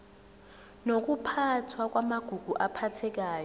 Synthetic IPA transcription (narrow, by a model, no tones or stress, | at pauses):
nok̬ʼupʰatʰwak̬ʼwamaɡ̥ʱuɡ̥ʱuʔapʰatʰɛk̬aːjɔ